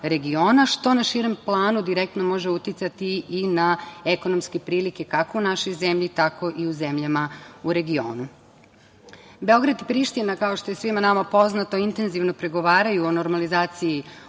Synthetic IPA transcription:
ɾe̞ɡio̞ːnaʃt̪o̞naʃiɾe̞mplˠaːnud̪iɾek̚t̪nomo̞ʒeut̪jit̪sat̪iːnae̞ko̞no̞mske̞pɾiːlike̞kako̞unaʃo̞jze̞mʎit̪ako̞ʔiuze̞mʎamauɾe̞ɡio̞̰ːnu | be̞o̞ɡɾad̪ipɾiʃt̪inakao̞ʃt̪o̞je̞sʋimanamapo̞znat̪o̞int̪e̞nziʋno̞pɾe̞ɡo̞ʋaːɾajuono̞ɾmalizaːt̪siji

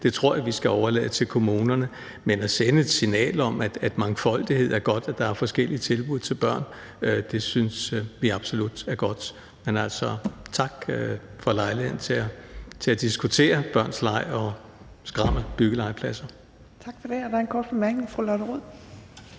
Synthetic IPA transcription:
d̥e̝t͡sʰʁo̝ɐ̰jɑʋisɡ̥æɒʊɐlɛ̰ðˠət͡sʰe̝lkʰo̝muːnɐnə | menæsenəed̥sinɛ̰ːləɒ̽mæd̥æd̥mɑ̈ŋfɒ̽l̰d̥ihe̝ð̞̰ˠæɐɡ̥ɒ̽d̥æd̥ɑ̈æɐfɒ̽sɡ̥el̰iət͡sʰe̝lb̥uð̰ˠt͡sʰe̝lb̥ɶɐ̰n | ød̥e̝synsʋiɑ̈b̥so̝lud̥æɐɡ̥ɒ̽d̥ | menæl̰sɒt͡sʰɑ̈ɡ̥øfɒ̽lɑ̈ɪlihe̝ð̰ˠn̩t͡sʰe̝æt͡sʰe̝æd̥isɡ̥ut͡sʰe̝̰ːɐb̥ɶɐ̰nslɑ̈ɪɒ | sɡ̥ʁɑ̈məb̥yɡ̥əlɑ̈ɪ̰pʰlæsɐ | t͡sʰɑɡ̥fɒd̥eɒd̥änkʰɒ̰ːd̥̚b̥emæɐɡ̥̚neŋfʁulɒɾəʁuð̰ˠ

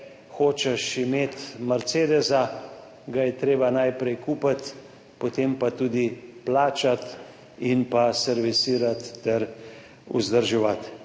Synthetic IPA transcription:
xoːt͡ʃɛʃimeːt̪mɐɾseːd̪ɛza | ɡajɛt̪ɾeːbanajpɾɛjkuːpat̪ | pot̪eːmpat̪uːd̪iplaːt͡ʃat̪ | inpasɛɾʋisiːɾat̪ːɛɾ | ṵzd̪əɾʒɛʋat̪

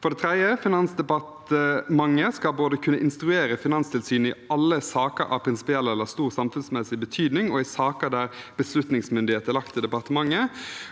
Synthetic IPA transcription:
fɔɾɖ̪ɛt̪ʰʁɛd̪jəfɪnɑnsd̪ɛpɑt̪əmɑŋːəskɑlboːd̪əkʰʉnːəʔɪnst̪ɾʉeːɾəfɪnɑnst̪ʰɪlsyːnɪɑlːəsɑːkə̰ɾɑ̰ʋpʰɾɪnsɪ̥pɪɛlɛlːəst̪uːʁsɑmfʉnsmɛsɪbət̪ʰyːd̪nɪŋɔɪsɑːkəd̪æɾb̥əslʉt̪nɪŋsmʏnd̪ɪheːt̪əɾlɑkt̪ʰəd̪ɛpɑʁt̪əmɑŋːə

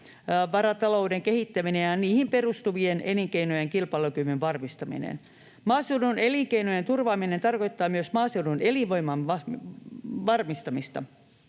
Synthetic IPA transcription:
ʋɑɾɑt̪ɑloudeŋkehit̪ːæminejjɑniːhimperust̪uʋieneliŋkeinojeŋkilpɑlukymyʋʋɑrmist̪ɑmḭnḛn | mɑːsewnuneliŋkeinojent̪urʋɑːminent̪ɑrkoit̪ːɑːmyøsmɑːseununeliʋoimɑnʋɑ | ʋɑrmist̪ɑmist̪ɑ̰

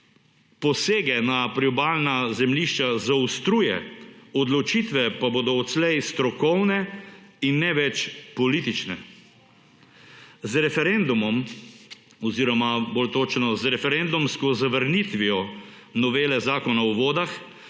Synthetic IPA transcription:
pɔseːɡɛnapɾiɔbaːlnazɛmliʃt͡ʃazaust̪ɾuːjɛ̰ɔd̪lɔt͡ʃiːt̪ʋɛpaboːd̪ɔɔt̪slɛjst̪ɾɔkɔwnɛinːɛʋɛt͡ʃpɔlit̪it͡ʃnɛ | zɾɛfɛɾɛnd̪umɔm | ɔziːɾɔmaboːlt̪oːt͡ʃnɔzɾɛfɛɾɛnd̪umskɔzaʋəɾnit̪ʋiɔ | nɔʋeːlɛzaːkɔnaɔʋoːd̪ax

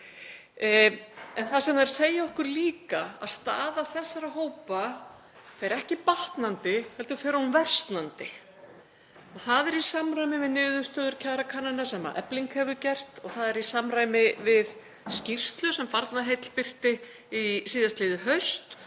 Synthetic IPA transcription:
ɛnθasɛmnaɾ̥seːjaɔhkʏɾliːkaa̰ðst̪a̰ːðaθɛsːaɾaɦoːwpa | fɛɾɛhcɪpaht̪nant̪ɪhɛlt̪ʏɾfɛːɾahmvɛr̥st̪nant̪ɪ | ɔɣθaðɛɾisamraːjmɪvɪðnʏːðʏst̪œːðʏɾ̥cʰaːɾakʰaːnanasɛma̰ʔɛ̰pliŋkhɛvʏcɛr̥t̪ɔɣθaðɛɾisamɾaːjmɪvɪð | scir̥st̪lʏsɛmfaɾt̪naɦejt̪l̥pɪr̥t̪ɪ | isiːðast̪lɪðʏɦœɥst̪

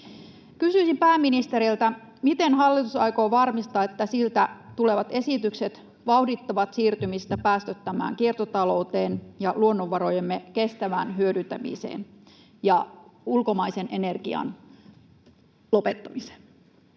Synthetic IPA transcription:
kysyisimpæːmːinist̪e̞ɾilt̪æ | mit̪e̞nhɑlːit̪usɑjko̞ːʋɑrmist̪ɑːet̪ːæsilt̪æt̪ule̞ʋɑt̪e̞sit̪ykset̪ | ʋɑwdit̪ːɑʋɑt̪siːrt̪ymist̪æpæːst̪øt̪ːæmæ̰ːŋkiert̪ot̪ɑlo̞uwt̪e̞ːnjɑluo̞nːoʋːɑɾojemːekest̪æʋænɦyødynt̪æmḭsḛːn | jɑulko̞mɑisenʔe̞ne̞rɡ̥iɑ̰n | lo̞pe̞t̪ːɑmise̥n

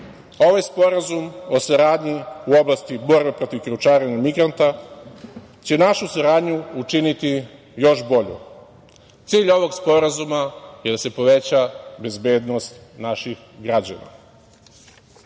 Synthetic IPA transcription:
o̞ʋajspo̞ɾazumo̞saɾaːd̪ɲiuo̞blast̪ibo̞ɾbe̞pɾo̞t̪iʋkiɾut͡ʃaːɾeɲamiɡɾant̪a | t͡ɕe̞naʃusaɾaːd̪ɲuut͡ʃinit̪i | jo̞ʃbo̞ʎṵ | t̪siːʎo̞ʋo̞ɡspo̞ɾazumajed̪ase̞po̞ʋe̞t͡ɕabe̞zbe̞ːd̪nost̪naʃix | ɡɾad͡ʑa̰na̰

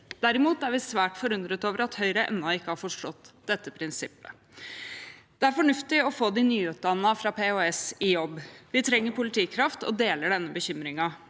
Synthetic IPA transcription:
d̪̥æɾɪmuːt̪æɾʋɪsʋæːʈfɔɾʉnd̪ɾət̪oːʋəɾɑt̪hœʏɾəʔɛ̰nːɑɪkːəhɑɾfɔʂʈɔt̪ːd̪̥ɛt̪ːəpʰɾɪnsɪpːə̥ | d̪̥ɛæɾfɔɳʉft̪ɪɔfoːd̪ɪnyːʉːt̪̚d̪ɑnːɑfɾɑpʰeoɛsɪjɔbːʋɪt̪ʰɾɛŋːəɾpʊlɪt̪ʰiːkʰɾɑft̪ɔ̰d̪eːləɖɛnːəbəçʏmɾɪŋɑ

